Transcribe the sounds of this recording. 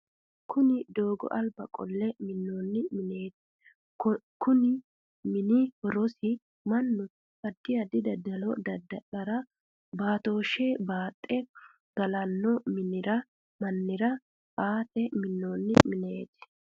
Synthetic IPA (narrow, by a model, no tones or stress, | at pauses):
kʰʊnɪd̪o̞ːɡɔ̰ʔɐlbɐkʼɔ̰lːɛmɪnːoːnːɪmɪneːt̪ | kʊnɪ | mɪnɪhɔɾɔsɪ | mɐnːʊ | kɐd̪ːɪjɐd̪ɪd̪ɐd̪ɐlɔd̪ɐd̪ɐʔɐɾɐ | baːt̪o̞ːʃebaːt̪ʼːɛ | ɡ̥ɐlɐnːɔmɪnɪɾɐ | mɐnːɪɾɐ | ʔaːt̪ɛmɪnːoːnːɪmɪneːt̪